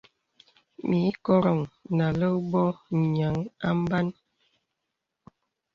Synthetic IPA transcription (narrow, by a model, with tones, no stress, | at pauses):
mi˨˦kɔ˦ɾɔ˨ŋna˨lə˦bɔ˦˨ɲa˨˦ŋa̰˦m˦ba˦n